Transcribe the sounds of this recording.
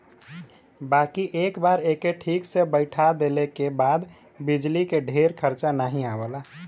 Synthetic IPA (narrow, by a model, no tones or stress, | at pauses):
baːkiʔeːkbaːɾekeʈʰiːksebəɪʈʰad̪elekebaːd̪ | bid͡ʒlikeɖʱeɾkʰəɾt͡ʃanaɦĩabəla